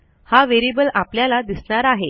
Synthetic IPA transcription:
haʋeɾibəlapljalad̪isɳ̃aɾaɦe

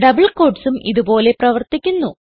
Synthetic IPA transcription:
ɖɐbɐɭko̞ːɖsumʔḭðubo̞ːle̞prɐʋɐrt̪ikʲːunːu

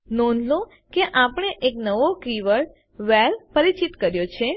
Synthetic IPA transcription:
nɔnlo | keʔapəɳ̃eʔeknəʋokɾiʋəɭ | ʋɛlpəɾit͡ʃit̪kəɾjot͡ʃʰe

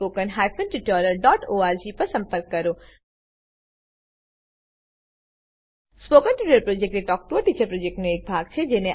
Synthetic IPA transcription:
oːkənɦaːjpʰənʈɪʈɔːɾəɾɖɔːʈoːaːɾd͡ʒipɐɾsɐ̃mpəɾkːɐɾoː | spoːkənʈiʈəɾpɾoːd͡ʒek̚ʈeʈɔːk̚ʈuəɾʈiːt͡ʃəɾpɾoːd͡ʒek̚ʈmẽeːk̚bʱaːɡ̚t͡ʃʰed͡ʒenẽ

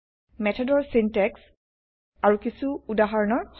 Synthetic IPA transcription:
mɛtʰɔdɔɹsintɛks | aɹukisuːdaɦaɹɔnɔɹx

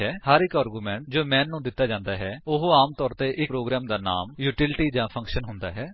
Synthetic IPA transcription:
ɦɛːhəɾɪkaːɾɡuːmɛ̃ːɳʈd͡ʒoːmɛ̃ːnːũːd̪ɪt̪ːaːd͡ʒãːnd̪aːɦɛːʊɦaːmt̪ɔːɾt̪eːʔɪpɾoːɡɾɛːmd̪aːna̰ːmjuːʈɪlʈiːd͡ʒãːpʰə̃ŋkʃənɦʊ̃nd̪a̰ːɦɛː

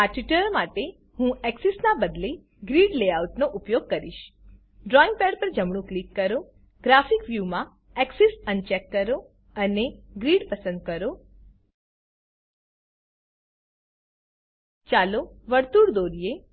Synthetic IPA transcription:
aʈʋiʈəɾmaʈe | hũɛksɛsnabəd̪le | ɡɾiɽleauʈnoʔupjoɡ̚kəɾiʃ | ɖɾɔĩŋɡ̚pɛɖpəɾd͡ʒəmɽ̃ũklikːəɾo | ɡ̥ɾafikʋjumã | ɛksɛsənt͡ʃɛkːəɾo | əneɡɾiɽpəsə̃nd̪̚kəɾo | t͡ʃaloʋəɾt̪uɾd̪oɾie

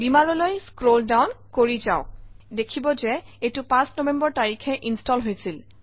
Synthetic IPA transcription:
bimaɹɔlojskɹoldawnkoɹizaʊdekʰibɔzɛetʊpãsnɔbɛmbɔɹtaɹikʰɛʔinstɔlɦojsil

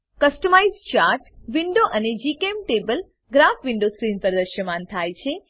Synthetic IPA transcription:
kəsʈəmajzt͡ʃaɾʈʋiɳɖoʔəned͡ʒikemʈebəl | ɡɾafʋɪɳɖoskɾinpəɾd̪əʃəmãnt̪ʰajt͡ʃʰe

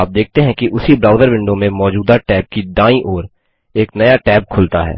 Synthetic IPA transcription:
aːp̚d̪eːk̚t̪eɦɛ̃kiʔʊsibɾaːʊd̪əɾʋɪ̃ɳɖõmẽmɔːd͡ʒuːd̪aʈɛːb̚kiɖãːĩʔɔːɾ | eːknɐjaʈɛːb̚kʰʊlt̪a̰ɦɛ̰ː

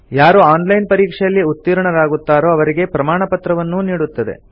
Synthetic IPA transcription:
jaːɾuaːnlɐjnpɐɾiːkʂɛjɐlːiut̪ːiːɾɐɳɐɾaːɡut̪ːaːɾo̞ːɐʋɐɾiɡe̞pɾɐmaːɳɐpɐt̪ɾɐʋɐnːuniːɽut̪ːɐd̪ḛ

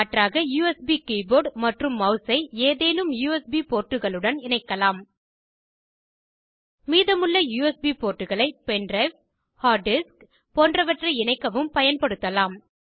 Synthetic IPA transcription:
ɐʈraːɣɐjuːɛsbiːkiːboːɾɖmɐʈrɯmːɐʊsɐɪeːðeːnɯmjuːɛsbipoːʈːɯɣɐɭɯɽɐnɪnɐɪkːɐlaːm | miːðɐmɯɭːɐjuːɛsbiːpoːʈːɯɣɐɭɐɪpɛndrɐɪf | haːɖɪsk | poːndrɐʋɐʈrɐɪɪnɐɪkːɐʋɯmpɐjɐnpɐɽɯt̪ːɐlaːm

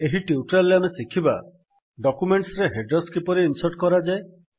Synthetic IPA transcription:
eɦiʈiuʈɾalːeamesikʰiba̰ | ɖɔkumeɳʈsɾeɦeɖɾɔskipɔɾiːnsɔʈkɔɾad͡ʒae

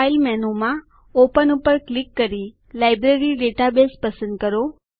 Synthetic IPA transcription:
ilmɛnomã | opənupəɾklikːəɾi | lajbɾeɾiɖeʈabespəsə̃nd̪̚kəɾo

